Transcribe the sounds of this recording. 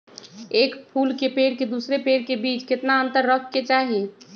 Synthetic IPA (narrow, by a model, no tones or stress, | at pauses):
eːkpʰuːlkepeɽked̪uːsɾepeːɽkebiːt͡ʃket̪naənt̪əɾːəkʰːet͡ʃaːɦi